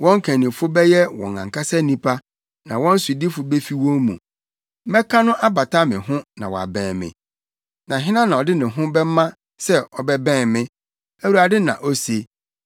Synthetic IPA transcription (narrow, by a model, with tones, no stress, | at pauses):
wɔ̃˦ŋ˦kʰæ̃˨nĩ˨fʊ˦bɛ˦jɛ˦wɔ̰̃˨ŋã̰˨ŋkʰa˦sɛ˦nĩ˦pʰa˦ | nã˨wɔ̃˦n̩˦su˨di˦fʊ˨be˦fi˦wɔ̃˦mṵ̃˨ | mɛ˦kʰa˦nʊ̃˦ʔa˦ba˨tʰa˦mɪ̰̃˨ɦʊ̃˦nã˨wɔ˨a̰˨bɛ̃ː˨mɪ̰̃˨ | nã˨ɦɪ˦nã˦nã˨ɔ˨dɪ˦nɪ̃˨ɦʊ̃˦bɛ˦mã˦ | sɛ˦ɔ˨bɛ˦bɛ̃ː˦˨mɪ̃˦ | æ˨wu˨˦a˨dɪ˦nã̰˨ʔɔ˦se˨